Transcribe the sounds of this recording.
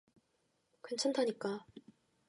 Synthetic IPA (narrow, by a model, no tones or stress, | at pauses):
kent͡ɕʰantʰaɲik͈a